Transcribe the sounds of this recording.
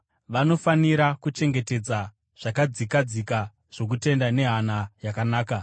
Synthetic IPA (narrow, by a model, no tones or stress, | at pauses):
ʋano̞faniɾakut͡ʃe̞ŋɡe̞te̞d͡za | ʐ̥akad͡zikad͡zika | ʐ̥o̞k̬ute̞ndane̞ɦanajakanaːka